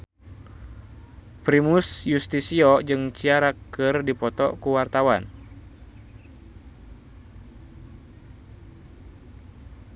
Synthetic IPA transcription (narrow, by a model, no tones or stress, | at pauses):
pɾimusjust̪isiɔd͡ʒɨŋt͡ʃiaɾakɨrdipɔt̪ɔ̰kuwart̪awan